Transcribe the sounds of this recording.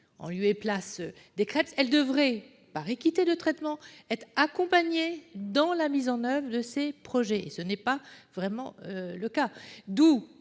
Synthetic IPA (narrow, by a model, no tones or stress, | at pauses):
ɑ̰̃lyeplas | d̪ekχɛpsɛld̪əvʁɛ | paʁekʲit̪ed̪ət̪χɛt̪mɑ̃ɛt̪χakɔ̃paɲed̪ɑ̃lamizɑ̃nœvʁəd̪əsepχɔʒɛḛsənɛpavʁɛmɑ̰̃øləkad̪u